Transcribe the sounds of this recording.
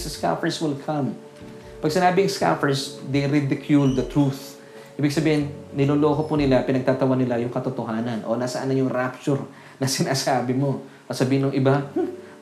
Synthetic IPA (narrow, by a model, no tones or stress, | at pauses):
sɐska̰fɛɹswɪlkʰɐm | pɐɡ̚sɪnaːbɪɐŋska̰fɛɹsd̪ɛjɾɪd̪ɪkʰjuld̪ɐt̪ɾuθ | ʔiːbɪɡsɐbiːhɪnnɪloːloːɦopʊnɪlapɪnɐɡ̚t̪aːt̪ɐwanɪlajʊŋkɐt̪ot̪oɦaːnɐnʔo̞̰nasɐʔanːɐɲjʊŋɾap̚t͡ʃʊɾ | nɐsɪnaːsaːbɪmo̞ | ʔɐsɐbiːhɪnːʊŋʔɪba